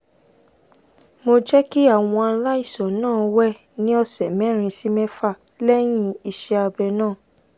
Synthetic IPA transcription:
mo˧d͡ʒɛ˦ki˦a˦˨w̃ɔ̃˧a˧la˦i˦˨sɔ̃˨˦nãː˦˨˧wɛ˦ | nĩ˦ɔ˧sɛ˨mɛ̃˦˨ɾ̃ĩ˧si˦mɛ̃˦fa˦˨ | lɛ˦j̃ĩ˦i˨˧ʃɛ˧a˧bɛ˧nãː˦˨

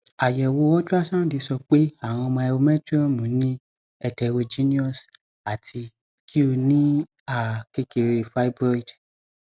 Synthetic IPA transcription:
a˨jɛ˨wo˧ɔ˦d͡ʒu˦a˦sã˦di˧sɔ˧k͡pe˦a˦˨w̃ɔ̃˧ɔ˧mɔ̃˧ɛ˧wo˧mɛ̃˦tu˦ɔ˦mũ˨˦nĩ˦ | ɛ˧tɛ˧˨wo˧d͡ʒi˦nĩ˦ɔ˦˨s | a˨tʰi˧ | kʰi˦o˧nĩ˦ | a˨ke˦ke˨ɾe˧fa˦i˦bɔ˦i˨d

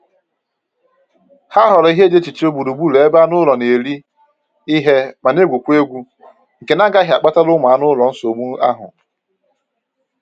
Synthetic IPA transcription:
ha˦ɦɔ˨ɾɔ˨˦i˦ɦe˦d͡ʒe˦t͡ʃi˨t͡ʃi˦o˦bu˨ɾu˨bu˦le˨e˦ba˦nʊ˦lɔ˨ne˨ɾi˦ | i˦ɦe˦ma˨ne˦ɡʷu˨kʷe˦ɡʷu˦ | ŋ̩˨ke˨na˦ɡa˦ɦa˨k͡pa˦ta˦lʊ˦ma˨a˦nʊ˦lɔ˨n̩˦so˨mu˦a̰˦ɦʊ̰˨

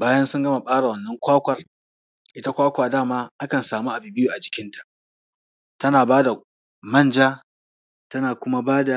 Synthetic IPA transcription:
baː˦jɐ˦nsʊ˦ŋɡɐ˦ma˨ɓʼaː˦ɽa˨wɐ˨nːɐ˦ŋkʷaː˦kʷɐ˨r | ʔɪ˦ta˦kʷaː˦kʷaː˨daː˦˨maː˦ʔa˦kɐ˨nsaː˨mu˦ʔa˨bɪ˦bɪ˦juː˨ʔa˨d͡ʒɪ˨kʲɪ˦ntḁ˨ʔ | tɐ˦naː˨baː˦da˨ | mɐ˦˨nd͡ʒaː˦ | tɐ˦naː˨kʷʊ˦ma˦baː˦da˨

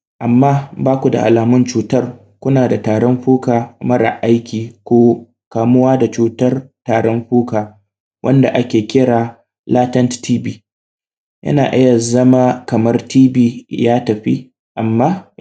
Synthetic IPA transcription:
ʔa˨mːaː˦baː˦kʷu˨da̰˨ʔa˨laː˨mʊ˦nt͡ʃuː˨tɐ˦r | kʷʊ˦naː˨da˨taː˨ɽɔ˦mɸuː˦kaː˨mɐ˦ɽa̰˨ʔa˦jkʲiː˨kʷoː˦ | kaː˨mʊ˦waː˦da˨t͡ʃuː˨tɐ˦rtaː˨ɽɔ˦mɸuː˦kaː˨ | wʔɐ̰˦nda̰˨ʔa˦kʲeː˨kʲɪ˦ɽaː˨ | laː˦tɐ˦nttʰiː˦biː˦ | jʔɐ̰˦na̰ː˨ʔɐ˦jɐ˨zɐ˦maː˦kɐ˨mɐ˦rtiː˦biː˦jaː˦tɐ˨ɸḭ˦ | ʔa˨mːaː˦

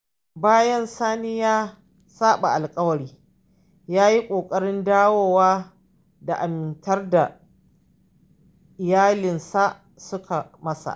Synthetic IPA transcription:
baː˦jɐ˦nsaː˦nɪ˦jaː˦ | saː˦ɓa˨ʔa˨lkʼɐ˦wɐ˨ɾiː˦ | jaː˦ji˦kʷʼoː˨kʼɐ˦ɽɪ˦ndaː˦woː˦˨waː˦ | da˨ʔa˨mɪ˨ntɐ˦rda˨ | ʔɪ˨jaː˦lɪ˨nsa˦ʔ | sʊ˦kʰa˨mɐ˦sa̰˨ʔ

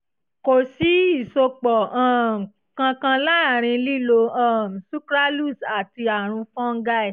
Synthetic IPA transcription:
ko˨si˨˦i˦˨so˧k͡pɔ˨ã˦˨ | kã˧kã˧la˦˨ɾ̃ĩ˧li˦lo˧ã˦˨su˦kɾa˦lu˦˨sa˨ti˧a˨ɾ̃ũ˧fɔ̃˦ŋ̩˦ɡa˦ɛ˦˨

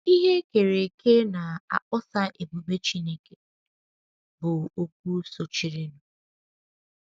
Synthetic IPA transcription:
i˦ɦe˦ke˨ɾe˨ke˦na˨a̰˨ʔʊ˦sa˦ʔe˨bu˨be˦t͡ʃi˦ne˦ke˦ | bʊ˨o˨k̚ʷu˦so˨t͡ʃi˨ɾɪ˨nʊ˨

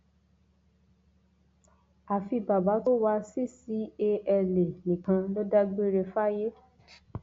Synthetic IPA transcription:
a˨fi˧ba˨ba˨˦to˦wa˧si˦˨si˨˦e˧ɛ˧le˨nĩ˨kã˧lo˦da˦ɡ͡be˦ɾe˧fa˦je˦

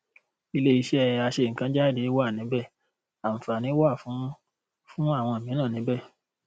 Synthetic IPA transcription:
i˧le˦i˧ʃɛ˦ɛ˧ja˧ʃe˧˨ŋ̩˨kã˧˦d͡ʒa˦˨de˨˦wa˦˨nĩ˨˦bɛ˦˨ | a˨m̩˨fa˨nĩ˨˦wa˦˨fũ˨˦ | fũ˦a˦˨w̃ɔ̃˧e˨mĩ˨˦nã˦˨nĩ˨˦bɛ˦˨

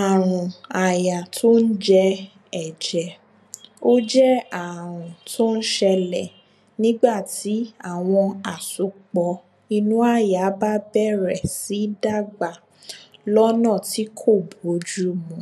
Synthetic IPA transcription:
a˨ɾ̃ũ˨a˨ja˨tʰo˦n̩˦d͡ʒɛ˦ | ɛ˨d͡ʒɛ˨ | o˦d͡ʒɛ˦a˦˨ɾ̃ũ˨tʰo˦n̩˦ʃɛ˧lɛ˨ | nĩ˦ɡ͡ba˦˨ti˨˦a˦˨w̃ɔ̃˧a˨su˨k͡pɔ˨ | i˧nũ˦a˦˨ja˨˦ba˦bɛ˦˨ɾɛ˨si˨˦da˦˨ɡ͡ba˨ | lɔ˦nãː˦˨ti˦kʰo˦˨bo˨˦d͡ʒu˦mũ˨˦

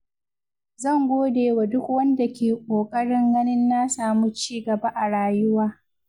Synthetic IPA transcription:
zɐ˦˨ŋɡʷoː˦deː˨wa˨dʊ˦kwɐ˦nda˨kʲeː˨kʷʼoː˨kʼɐ˦ɽɪ˦ŋɡɐ˦nɪ˦nːa˦saː˨mu˦t͡ʃiː˦ɡɐ˨ba˦ʔa˨ɽaː˨jʊ˦waː˦

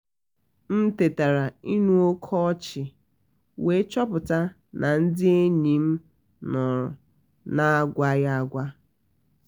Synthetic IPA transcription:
m̩˦te˨ta˨ɾa˨i˦nu˦o˦kʰɔ˦t͡ʃɪ˨ | we˨˦t͡ʃɔ˦pʊ˨ta˦ | nʔa˨n̩˦dɪ˦e˦ɲi˨m̩˦ | nɔ˨ɾɔ˨ | na˦a˦ɡʷa˦ja˦a˦˨ɡʷa˦

